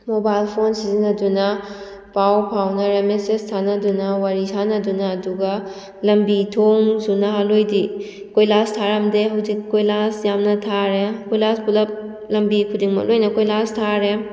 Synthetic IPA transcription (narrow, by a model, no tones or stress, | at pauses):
mobajlpʰonsizinɐdunɐ | pawpʰawnɐɾemesestʰanɐdunɐwaɾisanɐdunɐːduɡɐ | lɐmbitʰoŋzunaɦalojdi | kojlastʰaɾɐmdeɦɐwzikːojlasjamnɐtʰaɾekojlaspulɐp̚ | lɐmbikʰudiŋmɐ̰k̚lojnɐkojlastʰaɾe